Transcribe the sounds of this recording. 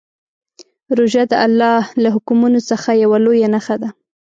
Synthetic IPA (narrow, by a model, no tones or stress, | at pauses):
ɾoʒad̪əʔalːɑhlaɦʊkumunosəxajawalojanaxad̪a